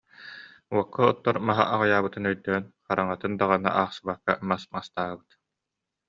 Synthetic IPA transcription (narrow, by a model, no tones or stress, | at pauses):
uɔkʰːɔɔt̪ːɔɾmaɦa̰ʔaʁajaːβɯt̪ɯnœjd̪œːnχaɾaŋat̪ɯnd̪aʁana̰ʔaːχsɯbakːa̰masmast̪aːbɯt̪